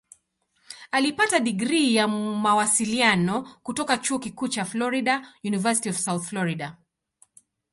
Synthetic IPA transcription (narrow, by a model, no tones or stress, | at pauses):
alipataɗiɡɾijamawasilianɔkutɔkat͡ʃuɔkikuːt͡ʃaflɔɾiɗajunivasi̥tiɔv̥sawθflɔɾiɗa